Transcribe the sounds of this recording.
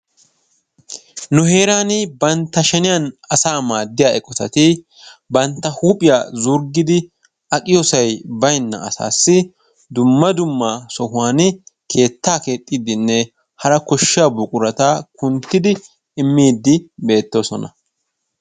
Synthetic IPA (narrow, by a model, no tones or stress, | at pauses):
nʊɦe̞ːɾaːnɪbɐnt̪ːɐʃɛnɪjanɐsaːmaːd̪ːɪjaːɛkʼɔt̪ɐt̪ɪ | bɐnt̪ːɐhuːpʼɪja̰zʊɾɡɪd̪ɪ | ʔɐkʼɪjɔsɐjbɐjnːɐ̰ɐsa̰ːsːɪ | d̪ʊmːɐd̪ʊmːasɔhʊwaːnkʰe̞ːt̪ːaːke̞ːt̪ʼːid̪ɪnːɛ | hɐɾɐkɔʃːɪaːbʊkʼʊɾɐt̪akʊnt̪ːɪd̪ɪ | ɪmːiːd̪ːɪbe̞ːt̪ːo̞ːsɔnɐ̰